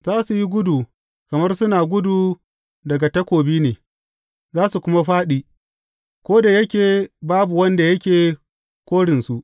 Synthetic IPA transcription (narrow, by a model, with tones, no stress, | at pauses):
zaː˦su˨ji˦ɡʷʊ˦duː˨ | kɐ˨mɐ˦rsʊ˦naː˨ɡʷʊ˦duː˨ | dɐ˨ɡa˨tɐ˦kʷoː˨biː˦neː˨ | zaː˦su˨kʷʊ˦ma˦ɸaː˦ɗiː˨ | kʷoː˦da˨jɐ˦kʲeː˨baː˦bu˨wɐ˦nda˨jɐ˦kʲeː˨ | kʷoː˦ɽɪ˨nsu˦ʔ